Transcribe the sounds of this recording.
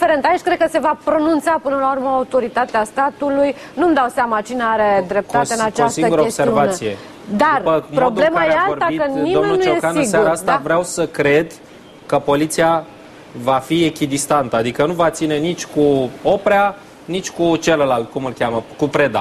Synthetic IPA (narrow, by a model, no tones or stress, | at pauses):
feɾe̞nt̪ajiʃʲkɾed̪̚kəse̞vapɾo̞nunt̪sapɨnəlaurməaut̪o̞ɾit̪at̪east̪at̪uluj | numd̪awsamat͡ʃineaɾe̞d̪ɾe̞p̚t̪aeɨnat͡ʃaosiŋəɡuɾəoeseɾiuvat̪ije̞ | d̪arpəpɾob̪le̞majeaort̪aikənid̪omenuːoekanɨɡsaɾaast̪avɾeawsəkɾe̞d̪ | kəpo̞lit̪sija | vafiekʲid̪ist̪ant̪əad̪ikənuvat̪sine̞nit͡ʃʲkuo̞pɾea | nit͡ʃʲkut͡ʃe̞ləlalt̪̚kumɨlkʲaməkupɾe̞d̪a̰